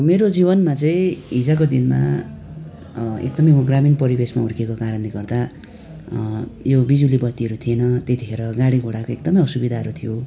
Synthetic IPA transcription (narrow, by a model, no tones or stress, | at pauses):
meɾod͡zibʌnmat͡sʌĩɦid͡zʌkod̪inma̰ | ḛkd̪ʌmʌjmʌɡraminpʌɾibesmauɾkekokaɾʌnliɡʌrd̪a | jobid͡zulibʌt̪ːiɦʌɾut̪ʰienʌt̪et̪ʰikʰeɾʌɡaɽiɡʱoɽakoekd̪ʌmʌjʌsubid̪ʱaɦʌɾut̪ʰijo